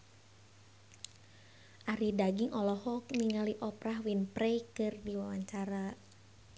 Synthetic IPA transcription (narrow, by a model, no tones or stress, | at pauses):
ʔaɾidaɡiŋʔɔlɔhɔk̚niŋaliʔɔpɾaɦwinpɾejkɨrdiwawaɲt͡ʃaɾa